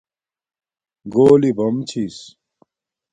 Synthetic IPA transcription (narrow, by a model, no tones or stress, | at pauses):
ɡoːlibɐmt͡ɕʰis